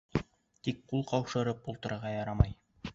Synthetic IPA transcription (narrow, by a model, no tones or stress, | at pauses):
t̪ik̚qulˠqɑwʃɤ̆ɾɤpulˠt̪ɤ̆ɾɤ̆ɾʁɑjɑɾɑmɑj